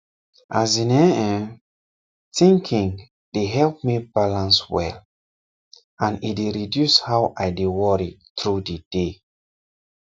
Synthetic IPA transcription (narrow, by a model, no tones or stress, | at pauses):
ʔazinɛ̃ɛ̃ | tĩŋkʰĩŋ | deɦɛlp̚mibalãnswɛ̰l | ãnideɹidjushawʔajdewɔɹitɹudid̥e